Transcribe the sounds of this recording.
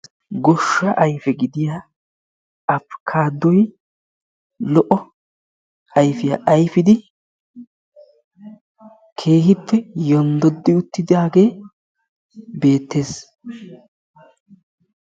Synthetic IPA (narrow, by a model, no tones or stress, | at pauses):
ɡɔʃːɐʔɐjfɛɡɪd̪ɪjaː | ɐpːkʰaːd̪ːɔj | lɔʔɔ | ɐjfɪjaʔɐjfɪd̪ɪ | kʰe̞ːhɪpːɛjɔnd̪ɔd̪ːɪʊt̪ːɪd̪aːɡe̞ː | be̞ːt̪ːe̞ːs